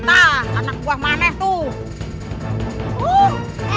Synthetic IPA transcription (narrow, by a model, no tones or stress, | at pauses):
t̪aanak̚buahmanɛht̪u